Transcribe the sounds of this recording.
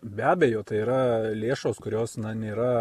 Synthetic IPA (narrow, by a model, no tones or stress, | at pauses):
bʲæːbʲeːjoːt̪ɐɪiːɾɐlʲeːʃoːskʊɾʲoːsnɐnʲeːɾɐ